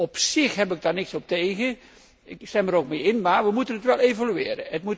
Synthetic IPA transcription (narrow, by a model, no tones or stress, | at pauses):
ɔpsɪxɦɛpɪɡ̚darnɪksɔp̚tejɣə | ɪkstɛməɾok̚mejɪnmaːɹʋəmutənətʋɛlˠejvolyɪːɾə̰ətmut